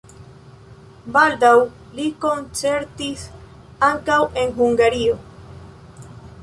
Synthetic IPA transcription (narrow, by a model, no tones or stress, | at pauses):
bald̪aw | liko̞nt͡se̞ɾt̪is | aŋkawe̞nɦuŋɡaɾio̞